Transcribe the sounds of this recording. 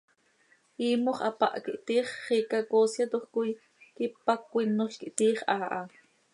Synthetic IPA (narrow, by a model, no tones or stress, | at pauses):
ʔiːmoχɑpa̰ʔkiʔt̪iːχːiːkakoːsjat̪oχkʊj | kipakʷinːoʃkiʔt̪iːχʔaːʔa